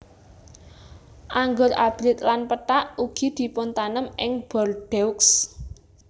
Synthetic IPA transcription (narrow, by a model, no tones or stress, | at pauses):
ʔaŋɡʊɾab̥ɾɪt̪lanpəʈaʔuɡ̥i̤d̪̥i̤pʊnt̪anəmɪŋb̥ɔrɖ̥ɛuks